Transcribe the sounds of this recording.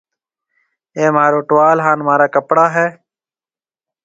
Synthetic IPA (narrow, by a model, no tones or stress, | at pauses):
eːmaːɾoːʈwaːlɦaːnmaːɾaːkəpɽaːɦɛː